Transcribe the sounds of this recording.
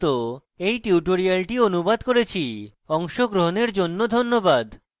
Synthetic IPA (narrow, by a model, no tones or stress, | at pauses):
t̪o | ejʈiuʈoɾialʈionubad̪koɾet͡ɕʰi | ɔŋʃoɡɾoɦoneɾd͡ʑonːod̪ʱonːobad̪